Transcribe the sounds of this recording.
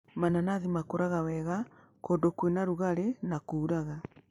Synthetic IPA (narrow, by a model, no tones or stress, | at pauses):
mananaðimakoɾaɣawɛɣa | kodokwenaɾuɣaɾenakuːɾaɣa